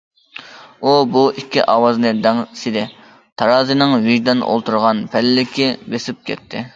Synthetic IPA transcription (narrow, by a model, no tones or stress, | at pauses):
ubuikʲːḭʔɑːwɑznɨd̪ɛŋsɪd̪ɪ | t̪ʰɑɾɑːzɨnɨŋviʒd̪ɑnʔo̰lˠt̪ʰuɾʁɑnpʰɛlɪːɪkʲʰibesɪp̚kʲʰɛ̰t̪ʰːɪ